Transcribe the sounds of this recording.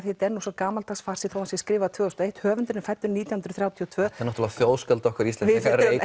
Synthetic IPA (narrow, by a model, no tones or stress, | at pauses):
θet̪ɛnːusakaːmalt̪ʰasfar̥sɪθawasjɛskɾɪːvat̪ʰvœːɔst̪ɔejht̪hœːvʏnt̪ɪɾnɪfajt̪ːʏɾniːt̪jawhʏnɾ̥θɾjawt̪ʰiɔt̪ʰvœːɛɾnɔt̪ɪlaaθjoːwskɛlt̪aɔhkvɛɾist̪ɛnɪɾe